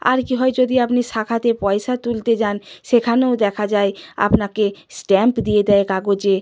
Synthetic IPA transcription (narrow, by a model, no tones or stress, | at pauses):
a̰ɾkiɦɔed͡ʑod̪iapniʃakʰat̪epɔeʃat̪ult̪ed͡ʑanʃekʰaneod̪ɛkʰad͡ʑaea̰pnakesʈɛmpd̪ijed̪ɛekaɡod͡ʑe